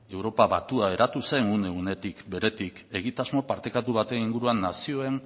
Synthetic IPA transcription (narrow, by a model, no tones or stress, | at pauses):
e̞wɾo̞paβat̪uae̞ɾat̪usaeŋune̞ɣune̞t̪ikbe̞ɾe̞t̪ike̞ɣit̪azmo̞paɾt̪e̞kat̪uβ̞at̪e̞niŋɡuɾuanːasio̞e̞n